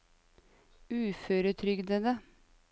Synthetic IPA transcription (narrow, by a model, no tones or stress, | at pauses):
ʉːføːɾət̪ʰɾʏɡd̪əd̪ə